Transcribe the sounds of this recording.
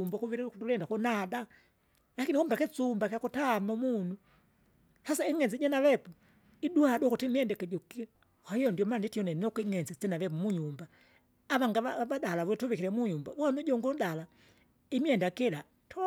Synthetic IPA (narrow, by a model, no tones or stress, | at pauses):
umbakuβiutulɛndakunada | lakinikumbakɛt͡sumbakakutamamunu | hasaiŋɛnzɛɟɛnaβɛpu | iduhadɔkutimiɛndɛkɛɟɔki | kwaijɔndjɔmanditiɔnɛnɔkiŋɛnzɛt͡sɛnaβɛp̬umuɲumba | aβaŋɡaaaβadalaβutuβikiɾɛmuɲumba̰wɔnuɟɔŋɡɔdala | imiɛndakɛla | tʰɔ